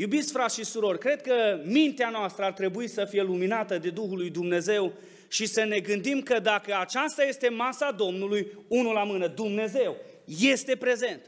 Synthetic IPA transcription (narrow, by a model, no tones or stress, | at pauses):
jubit̪sʲfɾat̪ʃisuɾo̞rʲkɾe̞d̪̚kəmint̪eanoast̪ɾəart̪ɾe̞buisəfije̞luminat̪əd̪e̞d̪uɦulujd̪umne̞ze̞w | ʃisəne̞ɡɨnd̪imkəd̪akəat͡ʃast̪aje̞st̪e̞masad̪o̞mnulujunulamɨnəd̪umne̞ze̞w | je̞st̪e̞pɾe̞ze̞nt̪